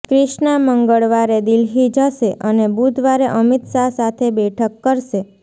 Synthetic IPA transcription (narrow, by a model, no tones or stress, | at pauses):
kɾɪʃnaməŋɡəɭʋaɾed̪ilɦid͡ʒəʃeʔənebud̪ʱʋaɾeʔəmit̪ʃasat̪ʰebɛʈʰəkːəɾʃe